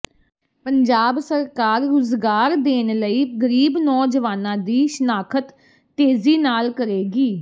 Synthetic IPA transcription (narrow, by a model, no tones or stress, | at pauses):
pəɲd͡ʒaːbsəɾkaːɾːʊzɡaːɾd̪eːnləiːɡəɾiːbnɔːd͡ʒəʋaːnãːd̪iːʃənaːkʰət̪ː | eːziːnaːlkəɾeːɡiː